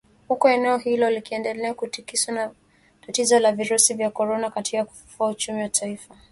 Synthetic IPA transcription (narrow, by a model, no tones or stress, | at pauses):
hukɔɛnɛɔɦilɔlikiɛndɛlɛakutikisana | tatizɔlaviɾusivjakɔɾɔnakatikaku̥fu̥fuaut͡ʃumiwatʰaifa